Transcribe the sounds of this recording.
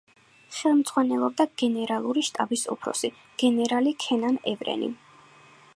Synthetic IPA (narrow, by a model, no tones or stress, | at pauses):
χɛlˠmd̪z̥ʼʁwanɛlˠɔb̚d̪aɡ̥ɛnɛɾalˠuɾiʃt̪ʼa̰bisṵpʰɾɔ̰si | ɡ̥ɛnɛɾalikʰɛnanɛvɾɛ̰nḭ